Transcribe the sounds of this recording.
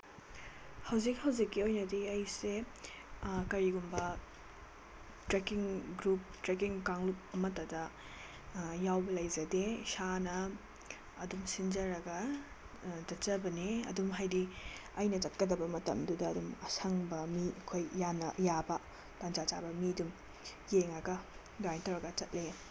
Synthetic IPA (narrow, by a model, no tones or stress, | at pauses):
hɐwzik̚hɐwzikːiojnɐdiɐjse | kɐɾiɡumbɐ | tɾekiŋɡɾup̚tɾek̬iŋkaŋlup̚ɐmɐtɐdɐ | jawbɐlɐjzɐdesanɐː | dumsind͡ʒɐɾɐɡɐ | d͡ʒɐt͡ʃɐbɐneɐ̰dumɦajdiɐjnɐt͡ʃɐt̚kɐdɐbɐmɐtɐ̰mdudɐːdumɐsɐŋbɐmiɐkʰojjanːɐjabɐ | tand͡ʒat͡ʃa̰bɐmidum | jeŋɐɡɐ | ɡajntɐwɾɐɡɐt͡ʃɐt̚le